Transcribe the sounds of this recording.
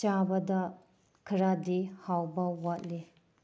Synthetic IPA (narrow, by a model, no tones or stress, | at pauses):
t͡ʃabɐdɐ | kʰiɾadihawbɐwat̚li